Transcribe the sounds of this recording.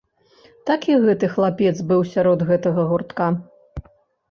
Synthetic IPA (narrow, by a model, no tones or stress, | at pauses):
t̪akʲiɣɛt̪ɨxlˠapʲɛd̪zbɨwsʲaɾɔd̪ɣɛt̪ɐɣɐɣurt̪ka